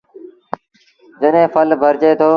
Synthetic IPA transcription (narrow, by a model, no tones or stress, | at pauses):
d͡ʒəɗɦẽːpʰəlbʱəɾt͡ʃeːt̪ʰoː